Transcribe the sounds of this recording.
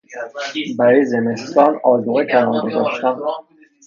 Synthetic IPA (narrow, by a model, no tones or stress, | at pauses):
bæɾɒːjezeme̞st̪ɒːnɒːzuɣecʰænɒːɾɡozɒ̰ʃt̪æn